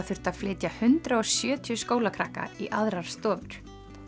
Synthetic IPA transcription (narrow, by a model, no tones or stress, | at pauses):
θʏr̥t̪að̥flɪːt̪jahʏnt̪ɾaɔsjœːt̪ʰjʏskoːwlakʰɾahka̰iʔaðɾaɾ̥st̪ɔːvʏɾ̥